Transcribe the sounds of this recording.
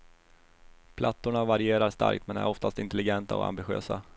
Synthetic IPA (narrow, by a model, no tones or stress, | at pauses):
pʰlʔat̪ːʊɳavaɾɪeːɾaʂt̪a̰ɾkt̪mɛnæ̰ɾɔft̪ast̪ɪnt̪ɛlɪɡɛnt̪a̰ɔ̰a̰mbɪɧø̰ːsa